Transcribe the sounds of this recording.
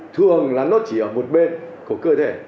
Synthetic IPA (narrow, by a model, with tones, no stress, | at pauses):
t̪ʰɨ˨˧˩əŋlaː˨˩nɔ˨˦t͡ɕi˧˩əː˧˩mo˨˩t̚ɓe˧nku˧˩əkəː˧t̪ʰe˧˩